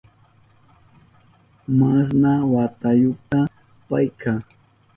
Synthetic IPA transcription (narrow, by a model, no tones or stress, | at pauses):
mas̬nawat̪ajʊt̪a | pa̰jkʰaː